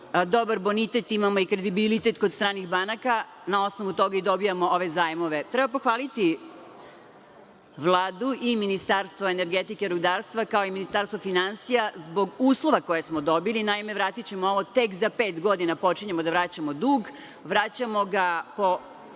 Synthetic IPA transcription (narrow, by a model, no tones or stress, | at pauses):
d̪o̞baɾbo̞nit̪et̪imamoikɾed̪ibilit̪e̞t̪kod̪st̪ɾaːniɣbanaka | nao̞snoʋut̪o̞ɡaid̪o̞bijamooʋe̞zaːjmoʋet̪ɾɛbapoxʋaːlit̪i | ʋlˠaːd̪uʔiminist̪aɾst̪ʋoene̞ɾɡet̪ikeɾud̪aːɾst̪ʋakaoiminist̪aɾst̪ʋofinansijazbo̞ɡuːslˠo̞ʋako̞jesmod̪o̞bilinaimeʋɾaːt̪it͡ɕe̞mooʋot̪e̞kzapeːt̪ɡo̞d̪inapo̞t͡ʃiɲe̞mod̪aʋɾat͡ɕamod̪uːɡ | ʋɾat͡ɕamo̞ɡapo̞